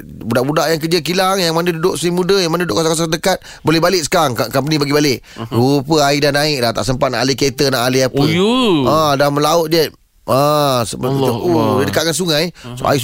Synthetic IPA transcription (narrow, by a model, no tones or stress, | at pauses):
budaʔbudaʔjaŋk̬əd͡ʒək̬ilaŋjaŋmandədudʊʔsimudəjaŋmandudʊʔkasakas̬asdəkat̪̚ | bolɛhbalɪʔ̚sə̥kaŋkakampənĩbaɡibalɪʔ | ɾupəaidanãɪk̚laht̪a̰ʔsəmpat̪̚naʔaliket̪ənaʔaliapiãdaməlaʊt̪̚d͡ʒɛt̪̚ | asodədəkat̪̚kansuŋajsṵa̰i